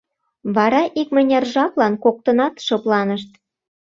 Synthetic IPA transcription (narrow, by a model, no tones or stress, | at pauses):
βɑɾɑʔikmə̆nʲerʒɑklɑnkok̚t̪ɤnɑt̪ʃɤ̆plɑnəʃt̪